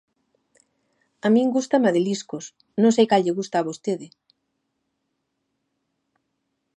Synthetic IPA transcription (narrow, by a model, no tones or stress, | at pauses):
amĩŋɡust̪ɐmaðeliskos | nõŋs̬ejkalʎeɣust̪aːβost̪eðɪ